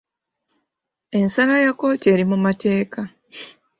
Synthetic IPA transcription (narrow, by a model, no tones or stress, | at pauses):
e̞nsalajako̞ːte̞ːɾimumate̞ːka